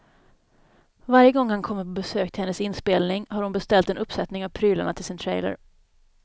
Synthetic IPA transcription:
vaɾjəɡɔŋːhankʰɔmːəɾpʰɔbɛsøːkt̪ʰɪlhɛnːəsɪnspeːlnɪŋhaɾhʊnbɛst̪ɛlt̪ɛnɵpːsɛt̪nɪŋavpʰɾyːla̰ɳat̪ʰɪlsɪnt̪ʰɾɛjlə̰ɾ

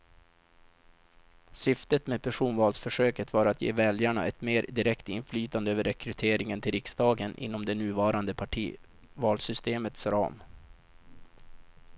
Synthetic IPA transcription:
sʏft̪ət̪meːd̪̚pʰæʂuːnvɑːlsfœʂøːkət̪vɑːɾat̪jḛːvɛljaɳa̰ʔɛt̪meːɾd̪ɪɾɛkt̪ɪ̰nflyːt̪and̪əøːvəɾɛkɾɵt̪ʰeːɾɪŋənt̪ʰɪlɾɪksd̪ɑːɡənʔɪ̰n̪ːɔmd̪ɛnʉ̟ːvɑːɾand̪əpʰaʈʰiː | vɑːlsʏst̪eːmət̪sɾɑ̰ːm

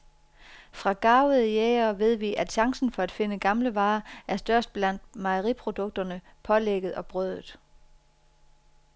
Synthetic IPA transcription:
fʁɑ̈ɡ̥ɑ̈ːʊəðˠəjeːɐʋe̝ð̞̰ˠʋiʔæd̥ɕɑ̈ŋsn̩fɒ̽æd̥fe̝nəɡ̥ɑ̈mləʋɑ̈ːʔæɐsd̥ɶɐsd̥̚b̥læn̰d̥mɑɪəʁipʰʁo̝d̥ɔ̽ɡ̥̚d̥ɐnəpʰɒ̽leɡ̥əð̞̩ˠɒ̽b̥ʁœð̰ˠð̩ˠ

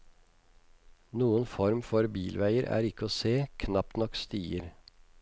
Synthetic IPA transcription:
nuːənfɔɾmfɔɾbiːlʋæɪəɾæ̰ːɾɪkəoːseːkʰnɑp̚t̪nɔkst̪iːəɾ

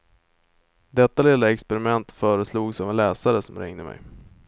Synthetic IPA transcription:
d̪ɛt̪ːalɪlaɛkspɛɾɪmɛnt̪fœːɾəsluːɡsɔvɛnlɛːsaɾəsɔmɾɪ̰ŋd̪əmɛ̰j

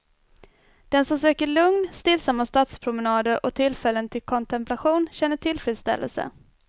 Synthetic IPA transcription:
d̪̥ɛnsɔmsøːkəɭɵŋnst̪ɪlsamːast̪ɑːt̪spʰɾʊmənɑːd̪əɾʔɔt̪ʰɪlfɛlːənt̪ʰɪlkʰɔnt̪ʰɛmpʰlaɧuːnɕɛnːəʈʰɪlfɾiːd̪st̪ɛ̰lːə̰lsə̰

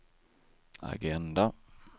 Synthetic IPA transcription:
a̰ɡɛnd̪a

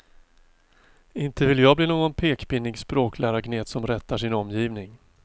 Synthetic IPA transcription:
ɪnt̪əvɪljɑːbliːnoːɡɔnpʰeːkbɪnːɪɡspɾoːkʰlæːɾaɡneːt̪sɔmɾɛt̪ːaʂɪnɔmjiːvnɪŋ

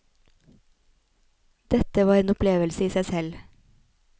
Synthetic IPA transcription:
d̪̥ɛt̪əʋɑːɾeːnɔpleːʋəlsəiːsæɪsɛl

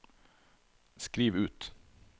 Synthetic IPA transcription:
skɾiːʋʉːt̪

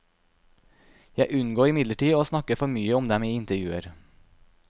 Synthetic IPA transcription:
jæɪʔʉnɡoːɾɪmɪd̪ləʈiːoːsnɑkəfɔɾmyːəɔmd̪ɛmiːɪnt̪əɾjʉːəɾ

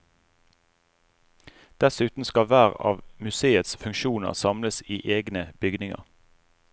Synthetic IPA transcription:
d̪̥ɛsʉːt̪n̩skɑʋæːʁɑ̰ːʋmʉseːət̪sfʉŋkʃuːnə̰ʁsɑmləsiːʔeːɡnəb̥ʏɡnɪŋə̰ʁ

